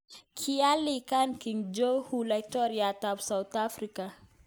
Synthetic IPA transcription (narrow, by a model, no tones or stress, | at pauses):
kʰialikankiŋd͡ʒohulajtɔɾiatabsaut̪afɾika